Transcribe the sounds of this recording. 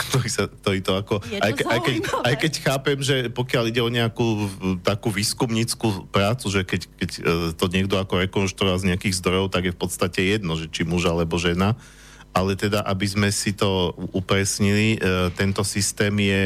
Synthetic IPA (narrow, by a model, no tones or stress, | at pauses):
kt̪ɔɾisak̚t̪ɔɾiːt̪ɔakɔajajkɛajkɛcxaːpɛmʒɛpɔkɪaliɟɛɔɲɛakuːt̪akuʋiːskumɲit͡skupɾaːt͡suʒɛkɛckɛct̪ɔɲɪɛɡ̚d̪ɔakɔɾɛkɔnʃt̪ɾuɔʋazɲɛakiːɣzd̪ɾɔjɔʊt̪aɡjɛfpɔt̪st̪acɛjɛd̪nɔʒɛt͡ʃimuʒaalɛbɔʒɛna | ʔalɛt̪ɛd̪aʔabizmɛsit̪ɔupɾɛsɲilit̪ɛnt̪ɔsist̪ɛːmjɛ